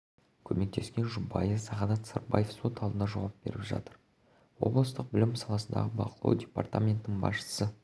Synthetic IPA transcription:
kʲʰɵme̞k̚t̪ʰe̞skʲe̞nʒubɑjefsɑʁɑd̪ɑt̪sə̰rba̰jefso̞t̪ɑlˠd̪ənɑʒɑwɑp̚b̥e̞ɾɪpʒɑ̰t̪əɾ | wo̞̰blˠəst̪əq̚bɪlɪmsɑlˠɑsənd̪ɑ̰ʁəbɑqʰəlˠɑ̰wdʲe̞pa̰rt̪amʲe̞nt̪ənəɴbɑ̰sʃə̥sə

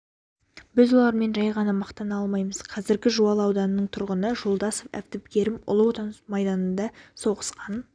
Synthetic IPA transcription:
bɪzwo̞lˠɑɾme̞nʒɑjʁɑnɑmɑqt̪ɑnɑlˠmɑjməz̥qʰɑzɪɾɡʲɪʒuɑlˠɑwd̪ɑnənəɴt̪ʰʊɾʁənəʒo̞lˠd̪ɑsofæ̰ft̪ɪpɡʲe̞ɾɪmʊ̰lˠəwot̪ɑnmɑjd̪ɑnənd̪ɑso̞ʁəsqɑn

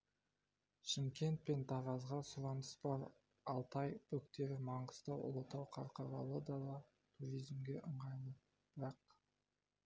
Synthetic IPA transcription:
ʃɪmkʲe̞nt̪̚pe̞nt̪ʰɑʁɑzʁɑsuɾɑnd̪əsbɑɾ | ɑlˠt̪ɑjpʰɵkt̪e̞ɾɪmɑɴɢəst̪ɑwʔʊ̰lˠət̪ɑwqʰɑɾqɑɾɑwˠəd̪ɑd̪ɑ | t̪ʰuɾijzmɡʲe̞ʔəɴʁɑjnə | b̥ɪɾɑq

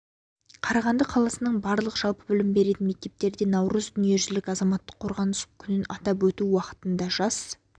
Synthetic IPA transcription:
qʰɑɾɑʁɑnd̪əqʰɑlˠɑsənəɴbɑɾlˠəqʒ̥ɑlˠpəbɪlɪmbe̞ɾe̞t̪ɪnme̞k̚t̪e̞p̚t̪e̞ɾd̪e̞nɑwɾəzd̪ʏnije̞ʒʏzlɪkʲɑzɑmɑt̪ːəqʰːoɾʁɑnəskʲʰʏnɪnɑt̪ɑp̬wɵt̪uwɑqə̥t̪ənd̪ɑʒɑs

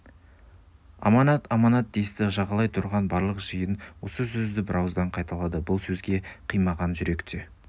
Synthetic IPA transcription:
ɑ̰mɑnɑt̪ɑmɑnɑt̪̚d̪ejst̪ɪʒɑʁɑlˠɑjt̪ʰʊɾʁɑnbɑɾlˠəqʒ̥əjənwo̞səsɵzd̪ɪbɪɾʔɑwzd̪ɑɴqʰɑjt̪ɑlˠɑd̪əbʊlˠsɵzɡʲe̞qʰijmɑʁɑnʒʏɾe̞kt̪ʰe̞

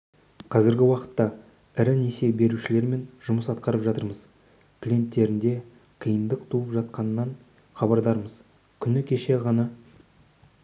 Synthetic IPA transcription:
qʰɑzɪɾɡʲɪwɑqə̥t̪ːɑ | ɪɾɪne̞se̞be̞ɾuʃɪle̞ɾme̞nʒʊməsɑt̪qɑɾəpʒɑt̪əɾməz | kʰʲlʲije̞nt̪ːe̞ɾɪnd̪e̞ | qʰəjənd̪əqt̪ʰuəpʒɑt̪̚qɑnːɑɴ | χɑbɑɾd̪ɑɾməz | kʲʰʏnɪkʲʰe̞ʃe̞ʁɑnɑ

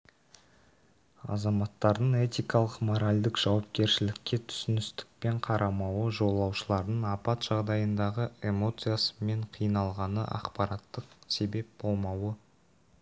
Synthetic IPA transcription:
ɑ̰zɑmɑt̪ːɑɾd̪əɴe̞t̪ijkɑlˠəqmo̞ɾalʲd̪ɪkʒ̥ɑwɑp̚kʲe̞ɾʃɪlɪkʲːe̞t̪ʰʏ̥sɪnɪst̪ɪ̥k̚pe̞ɴqʰɑɾʔɑmɑwəʒo̞lˠɑwʃəlˠɑɾd̪əɴɑpɑt̪ʒ̥ɑʁd̪ɑjənd̪ɑʁəe̞mo̞t̪sɨjasə̥me̞ɴqʰijənɑlˠʁɑnəʔɑ̰qpɑɾɑt̪ːəqse̞be̞p̚bo̞lˠmɑwə

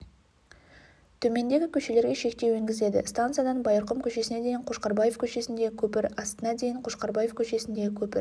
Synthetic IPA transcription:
t̪ʰɵme̞nd̪e̞ɡʲɪkʲʰɵʃe̞le̞ɾɡʲe̞ʃe̞k̚t̪e̞we̞ŋɡʲɪzle̞d̪ɪ̰st̪ant̪sɨijad̪ɑnbɑjəɾqəmkʲʰɵʃe̞sɪne̞d̪e̞jɪɴqʰoʃqɑɾbɑjefkʲʰɵʃe̞sɪnd̪e̞kʲʰɵpɪɾɑst̪ənɑd̪e̞jɪɴqʰoʃqɑɾbɑje̞fkʲʰɵʃe̞sɪnd̪ekʲʰɵpɪɾ

